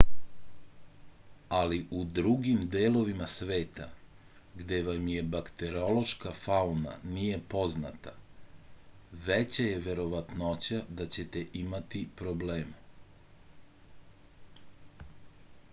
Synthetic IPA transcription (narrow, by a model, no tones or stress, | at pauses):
aliʔud̪ɾuɡimd̪eːlo̞ʋimasʋe̞ːt̪a̰ | ɡd̪e̞ʋamje̞bakt̪eɾio̞lo̞ʃkafauna̰nije̞po̞zna̰t̪a | ʋet͡ɕaje̞ʋe̞ɾo̞ʋat̪not͡ɕad̪at͡ɕe̞t̪e̞ʔimat̪ipɾo̞bleːm